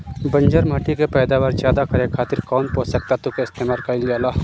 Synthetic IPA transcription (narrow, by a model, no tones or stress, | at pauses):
bənd͡ʒəɾmɐʈikepɛːd̪aːʋaːɾd͡ʒaːd̪akɐɾekʰaːt̪ɪɾkɔːnpoːsək̚t̪at̪ukeɪst̪eːmaːlkaɪlɡjaːlaː